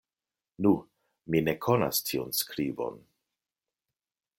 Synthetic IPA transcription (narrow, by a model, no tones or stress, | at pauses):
nu | mine̞kʰona̰stʰiunskɾibo̞̰n